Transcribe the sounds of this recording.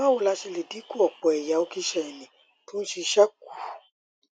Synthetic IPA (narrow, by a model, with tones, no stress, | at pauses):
a˦wo˧˨la˧ʃe˧le˨di˨˦ku˦ɔ˨k͡pɔ˨ɛ˨ja˨˦o˧ki˧ʃɛ˨ɛ˨nĩ˨ | tõ˦ʃi˧ʃa˦k̚u˨